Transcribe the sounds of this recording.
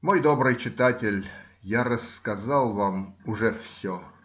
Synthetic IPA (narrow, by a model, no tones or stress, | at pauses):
mo̞jd̪obɾɨjt͡ɕɪt̪atʲɪlʲ | jarəskazɑlˠvamʊʐɛfsʲo